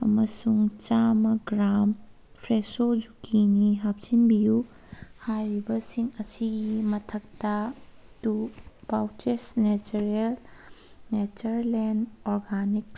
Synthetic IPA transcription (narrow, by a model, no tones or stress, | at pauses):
ɐmɐsuŋt͡ʃamɐɡɾam | pʰɾesod͡ʒukiniɦap̚sinbiju | hajɾibɐsiŋɐsiɡimɐtʰɐk̚tɐtubawtesnet͡ʃuɾel | net͡ʃɐɾlenɔɾɡanik